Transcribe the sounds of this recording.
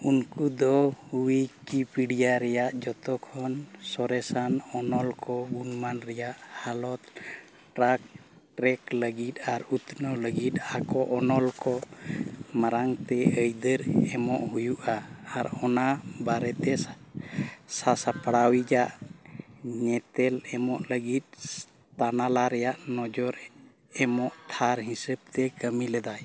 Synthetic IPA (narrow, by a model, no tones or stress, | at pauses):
unkud̪ɔuwikipiɽijaɾɛjaʔd͡ʒɔt̪ɔkʰɔnsɔɾɛsanɔnɔlkɔɡunmanɾɛjaʔhalɔt̪̚ | ʈɾak̚ | ʈɾɛkləɡit̪̚aɾut̪nɔləɡit̪̚akɔʔɔnɔlkɔ | maɾaŋt̪ɛəjd̪əɾɛmɔʔhujuʔaaɾɔnabaɾɛt̪ɛ | sasapaɽawid͡ʒaʔ | ɲɛt̪ɛlɛmɔʔləɡit̪̚ | t̪analaɾɛjaʔnɔd͡ʒɔɾ | ɛmɔʔt̪ʰaɾɦĩsəb̚t̪ɛkəmilɛd̪aj